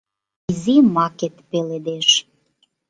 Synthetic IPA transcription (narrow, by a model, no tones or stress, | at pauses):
izimɑket̪peled̪eʃ